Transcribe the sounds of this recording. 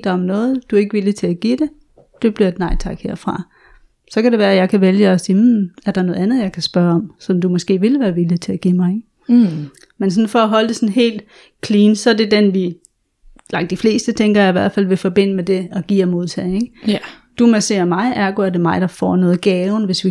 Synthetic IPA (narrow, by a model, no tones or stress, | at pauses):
d̥ɑɒ̽mnɔ̽ːð̩ˠd̥ue̝ɡ̥əʋilit͡sʰe̝æɡ̥id̥e̝ | d̥e̝b̥liɐd̥nɑ̈ɪt͡sʰɑ̈ɡ̥he̝ɐ̰fʁɑ̈ | sɒ̽kʰæɾeʋæːɐæjɑ̈ɪkʰæʋeljəɒsiːmæɐd̥ɑ̈nɔ̽ːð̩ˠænð̞̩ˠjɑ̈ɪkʰæsb̥ɶːɐɒ̽msɒ̽md̥umɒsɡ̥e̝̰ːʋe̝lʋæːɐʋilit͡sʰe̝æɡ̥imɑ̈ɪeɡ̥ | mensɒ̽nfɒ̽æɦɒ̽ld̥e̝sɒ̽nɦe̝̰ːld̥ | kʰliːnsɒ̽æɐd̥e̝d̥enʋi | lɑ̈ŋɡd̥ifle̝̰ːsd̥ət͡sʰeŋɡ̥ɐjɑ̈iʋæɐ̰d̥fæl̰ʋe̝fɒ̽b̥e̝n̰əmed̥e̝ɒ̽ɡ̥ḭːɒmo̝ðˠt͡sʰɛðeɡ̥ | d̥umæse̝̰ɐmɑ̈ɪʔæɐɡ̥oæɐde̝mɑ̈ɪd̥ɑ̈fɒ̰ːnɔ̽ːð̩ˠɡ̥ɛːʊn̩ʋe̝sʋi